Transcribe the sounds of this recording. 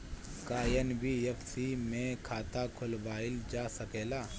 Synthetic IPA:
kaːjənbʱiefsimẽkʰaːt̪akʰʊlbaːɪld͡ʒaːsɐkeːlaː

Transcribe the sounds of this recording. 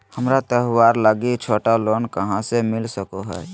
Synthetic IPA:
həmɾat̪əɦwaɾləɡit͡ʃʰoːʈalonkəɦãsemɪlsəkoɦɛː

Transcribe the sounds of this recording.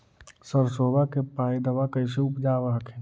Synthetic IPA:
səɾsoːbʱakepaːid̪əʋakəɪs̬eʊpd͡ʒaːʋaːkʰẽː

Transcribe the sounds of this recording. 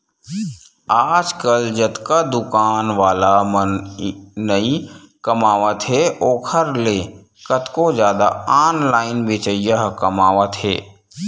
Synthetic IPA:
aːd͡ʒkəld͡ʒət̪kad̪ʊkaːnʋaːlamə | nəi | kəmaːʋət̪ɦeoːkʰəɾle | kət̪kod͡ʒjaːd̪a̰aːnlaːɪnbeːt͡ʃəjəɦkəmaːʋət̪ɦɛ̰ː

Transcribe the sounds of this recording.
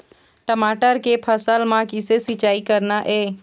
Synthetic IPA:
ʈəmaːʈəɾkepʰəsəlmãkɪsesɪt͡ʃaːikəɾnaʔɛː

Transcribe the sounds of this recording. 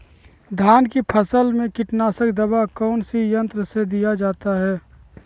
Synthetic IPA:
d̪ʱaːnkipʰəsəlmẽkɪʈnaːsəkd̪əbakɔːnsijə̃nt̪ɾəsed̪ijad͡ʒaːt̪aɦɛː

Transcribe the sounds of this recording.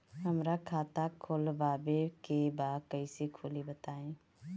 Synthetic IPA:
ɦəmɾakʰaːt̪akʰolbaːbekebaːkəisekʰolibət̪aːẽː

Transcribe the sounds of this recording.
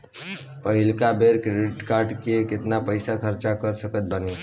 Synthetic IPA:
pəɦilkabeɾkɾeɖiʈkaɾɖkekɪt̪napəɪsakʰəɾt͡ʃakəɾsəkət̪̚bəne

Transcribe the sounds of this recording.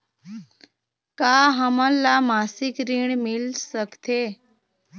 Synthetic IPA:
kaɦəmə̃lamasikɾiɳ̃milsəkt̪ʰe

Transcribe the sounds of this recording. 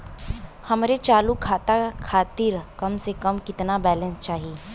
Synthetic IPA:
hɐmɾet͡ʃaːlukʰaːt̪akʰaːt̪ɪɾkɐmsekɐmkɪt̪nabɛːlə̃nst͡ʃaːɦiː

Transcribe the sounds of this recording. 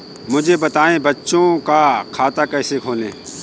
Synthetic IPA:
mʊd͡ʒʱebɐt̪aːẽbɐtːʃõkakʰaːt̪akɛːsekʰoːlḛ̃ː

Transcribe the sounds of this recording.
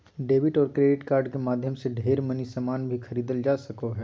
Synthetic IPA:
ɖeːʋɪʈɔːɾkɾeːɖɪʈkaːɾɖkemaːd̪ʱjəmseɖʱeːɾmɐnisamaːnbʱixʰɐɾiːd̪əld͡ʒaːsɐkoɦɛː

